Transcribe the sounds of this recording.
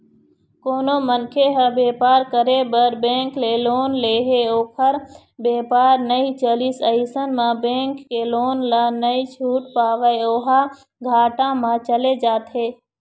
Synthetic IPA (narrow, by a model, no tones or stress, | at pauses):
koːnomənkʰeɦəbeːpaːɾkəɾebəɾbẽːŋkleloːnleːɦeoːpʰəɾ | beːpaːɾnəit͡ʃəlisəɪsənmãbẽːŋkːeloːnlanəit͡ʃʰuːʈpaːʋəeoːɦa | ɡʱaːʈãmãt͡ʃəled͡ʒaːt̪ɦeː